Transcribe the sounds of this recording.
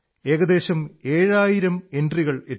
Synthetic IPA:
e̞ːɣɐd̪e̞ːɕɐme̞ːɻaːjiɾɐme̞ndriɣɐɭe

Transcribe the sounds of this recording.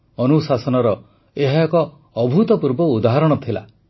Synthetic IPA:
ɔnusasɔnɔɾɔ | eɦakɔː | bʱut̪ɔpuɾbɔud̪aɦaɾɔɽ̃ɔt̪ʰila̰

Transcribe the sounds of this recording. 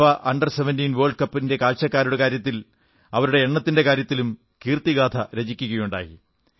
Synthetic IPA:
ʋɐʔɐɳɖɐrseʋendiːnʋoːrɭɖkɐpːinde̞kaːɭɕɐkːaːɾuɽekaːɾjɐt̪̬ːil | ɐʋɐɾuɽe̞ːɳːɐt̪ːinde̞kaːɾjɐt̪ːilum | kiːrt̪iɡaːd̪ʰʱɐɾeɐt͡ɕikʲːuɣɐjuɳɖa̰ːjḭ

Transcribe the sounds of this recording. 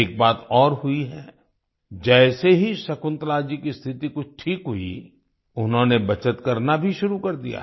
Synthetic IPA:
eːk̚baːt̪ɔːɾɦʊiɦɛː | d͡ʒɛːseɦisɐkʊ̃nt̪laːd͡ʒikist̪ʰɪt̪ikʊt͡ʃʰʈʰiːkɦʊḭ | ʊnɦõnebɐt͡ʃət̪kɐɾnabʱiʃʊɾukɐɾd̪ija̰

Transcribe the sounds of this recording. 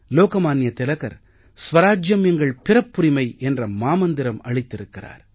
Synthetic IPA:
loːkɐmaːnjɐt̪ɪlɐɣɐ̰ɾ | sʋɐɾaːd͡ʒjɐmɛŋɡɐɭpɪrɐpːʊɾɪmɐɪʔɛndrɐmaːmɐnd̪ɪɾɐmɐɻɪt̪ːɪɾɯkːɪra̰ːɾ

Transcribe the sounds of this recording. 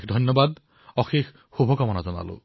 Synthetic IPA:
d̪ʱɔjnːɔbad̪ | ɔxex | xubʱɔkɔmɔnad͡ʒɔna̰lo̰

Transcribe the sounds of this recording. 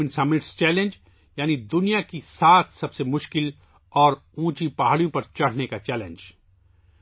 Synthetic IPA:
ɪ̃nsɐmɪʈst͡ʃɛːlẽnd͡ʒ | jaːnid̪ʊnijakisaːt̪ʰsɐbsemʊʃkɪl | ɔːɾũːt͡ʃipaɦaːɽijõpɐɾt͡ʃɐɽ̤nekat͡ʃɛːlḛ̃nd͡ʒ

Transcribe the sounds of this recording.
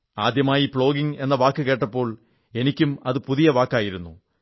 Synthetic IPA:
aːd̪jɐmaːjipɭo̞ːɡiŋe̞nːɐʋaːkːɨke̞ːʈːɐpːo̞ːɭ | e̞nikʲːumɐðɨpuðijɐʋaːkːaːjiɾunːu

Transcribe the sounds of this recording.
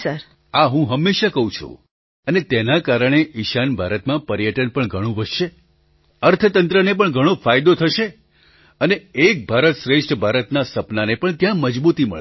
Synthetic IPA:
səɾ | aɦũɦəmːeʃakəɦũt͡ʃʰṵ̃ | ənet̪enakaɾəɳ̃eʔɪʃanbʱaɾət̪mãpəɾjəʈənpəɳɡʱəɽ̃ũʋəʃʃe | əɾt̪ʰət̪ənt̪ɾənep̬əɳɡʱəɽ̃õfajd̪ot̪ʰəʃe | əneek̚bʱaɾət̪ʃɾeʂʈʰəbʱaɾət̪nasəpnanepəɳt̪jãməd͡ʒbut̪imə̰ɭ

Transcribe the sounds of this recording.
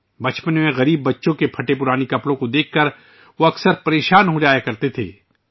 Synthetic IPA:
bɐt͡ʃpənmẽɣɐɾiːbːɐtːʃõkepʰɐʈep̬ʊɾaːnikɐpɽõkod̪eːkʰːɐɾ | ʋoɐksəɾpɐɾeːʃaːnɦod͡ʒaːjakɐɾt̪et̪ʰḛː

